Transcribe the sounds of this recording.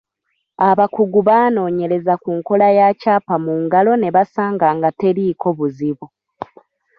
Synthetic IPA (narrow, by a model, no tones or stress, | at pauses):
aβakuɡuβaːno̞ːɲe̞ɾe̞zakuŋko̞lajacaːpamuŋɡalo̞ne̞βasaːŋɡaːŋɡate̞ɾiːko̞βuziβu